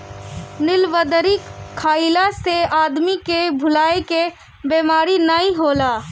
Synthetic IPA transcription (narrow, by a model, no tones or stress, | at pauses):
nɪlʋəd̪əɾikkʰːaːilaseaːd̪mikebʱʊlaːeke | bemaːɾinəĩɦoːlaː